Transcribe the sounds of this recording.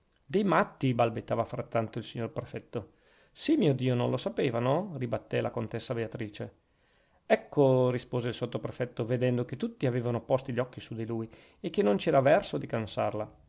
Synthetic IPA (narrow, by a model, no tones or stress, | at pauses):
d̪ejmat̪ːibalbet̪ːaːvafɾat̪ːant̪oilsiɲːorpɾefɛt̪ːo | simiːod̪iːononlosapeːvanoribat̪ːɛlakont̪esːabeat̪ɾiːt͡ʃe | ɛkʰːorispoːzeilsot̪ːopɾefɛt̪ːoved̪ɛnd̪ok̟et̪ːut̪ːiaveːvanopɔst̪iʎːɔkːisud̪iluːj | ek̟ːenont͡ʃɛːɾavɛrsod̪ikansa̰rla